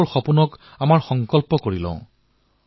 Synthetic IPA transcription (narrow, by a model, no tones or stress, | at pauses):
ɹxɔpunɔk | amaɹxɔŋkɔlpɔkoɹilɔ̰̃ʊ̃